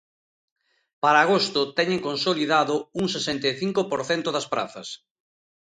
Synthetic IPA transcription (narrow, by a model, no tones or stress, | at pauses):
paɾaːɣost̪ʊt̪ɛɲeŋkonsoliðaðʊuŋsesɛnt̪eθiŋkopoɾθɛnt̪ʊðɐspɾa̰θɐ̰s